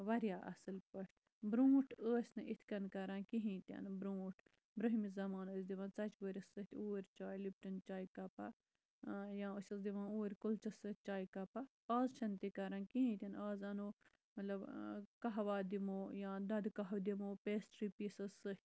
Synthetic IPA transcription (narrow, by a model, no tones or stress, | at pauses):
ʋɐɾjaːʔɐ̰sɨlpɐʃt̪ | bɾũːʈʰəːsʲnɨʔit̪ʰkɐnkɐɾãːnkiɦĩːt̪ʲɐ̰nbɾũːʈʰ | bɾɨɦimizɐmaːnəːsʲd̪iʋãːnt͡sɐt͡ʃʋəɾʲɐsɨt̪ʰʲuːɾʲt͡ʃaːilip̚ʈɐnt͡ʃaːikɐpa | jãːəsʲɐsd̪iʋãːnuːɾʲkult͡ʃɐsɨt͡ʃaːjkɐpa | aːzt͡ʃʰɐnt̪ikɐɾãːnkiɦĩːt̪ʲɐnaːzɐnoː | mɐt̪lɐbkɐɦʋaːd̪imoːjãːd̪ɐd̪kɐɦɐwd̪imoːpeːsʈɾipisɨsɨt̪ʰʲ